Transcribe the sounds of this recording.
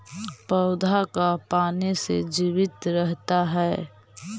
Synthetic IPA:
pəʊd̪ʱakapaːnesḛd͡ʒiːʋɪt̪ɾəɦt̪aɦɛː

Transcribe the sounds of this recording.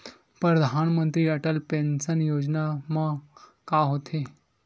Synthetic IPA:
pɾəd̪ʱanmənt̪ɾiːəʈəlpensənjod͡ʑnama | kaɦot̪ʰe

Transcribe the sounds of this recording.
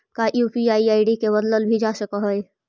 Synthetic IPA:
kaʔjupiaːiaːɪɖikebəd̪ləlbʱid͡ʒasəkəɦəj

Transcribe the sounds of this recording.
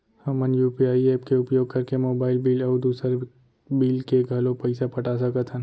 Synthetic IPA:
hɐmːənjuːpiaːieːpkeʊpjoːɡ̚kɐɾkemoːbaːɪlbiːlɔːd̪uːsəɾ | biːlkeɡʱɐlõpɐɪsapɐʈasɐkət̪ʰɦə̃n

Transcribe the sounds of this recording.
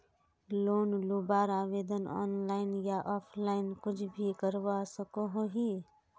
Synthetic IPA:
loːnlubaːɾaːʋeːd̪ənɔ̰ːnlaːɪnjaʔɔːpʰlaːɪnkʊt͡ʃʰbʱikəɾwasəkoɦoɦi

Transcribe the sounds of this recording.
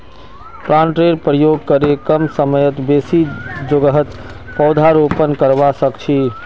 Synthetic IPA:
pɾãnʈɾeɾpɾəjoɡ̚kəɾekəmsəməjət̪besid͡ʒoɡəɦət̪ | pɔʊd̪ʱaɾopənkəɾbasəkt͡ʃʰi

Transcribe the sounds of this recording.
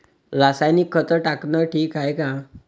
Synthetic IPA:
ɾəsajnikʰːət̪əʈaknəʈʰiːkɦajkã

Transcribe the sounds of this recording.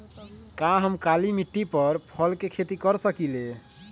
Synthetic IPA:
kaɦəmkalimiʈːipəɾpʰəlkekʰet̪ikəɾsəkile

